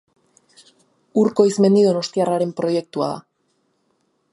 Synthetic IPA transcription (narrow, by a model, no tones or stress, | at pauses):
uɾko̞izme̞nd̪iðo̞no̞st̪iaraɾe̞mpɾo̞je̞k̚t̪ua̰ða̰